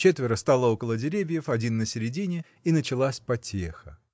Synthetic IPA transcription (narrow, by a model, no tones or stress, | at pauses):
t͡ɕet̪vʲɪɾəst̪alˠəo̞kəlˠədʲɪɾʲevʲjəfɐdʲinːəsʲɪɾʲɪdʲinʲɪ | inət͡ɕɪlˠasʲpɐtʲexə